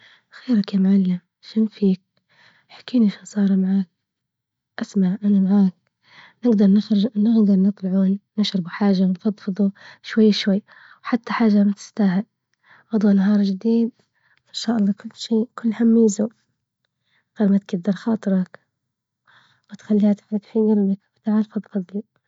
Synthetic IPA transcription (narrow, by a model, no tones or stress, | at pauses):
xeːɾakjamʕalːam | ʃɪnfiːk̚ | ħḁkːiːniʃansˤɑːɾˤmaʕaːk̚ | ʔasmaʕʔanamaʕaːk̚ | nɪɡd̪ɑɾˤnxnɪɣd̪ɑɾˤnɨt̪ˤlɑʕuːnnɪʃɾɪbuħaːʒanfɑd̪ˤfɨðˤuʃwajːʃwajː | wħat̪ːaħaːʒːamat̪ɪ̥st̪aːɦɪl | ʔɑd̪ˤuːnaɦɑːɾˤd͡ʒɪd̪iːd̪̚ | ʔɪnʃaːʔɑlˤːɑːkʊlːʃiːkʊlːhamːiːzu | ɣaɾmat̪̚ɡɪd̪ːɑɾˤxɑːt̪ˤɨɾˤɑk | wɪt̪xalːiːhat̪ʕalat̪ħɪɡɪɾlakwt̪aʕalfɨðˤqɑðˤli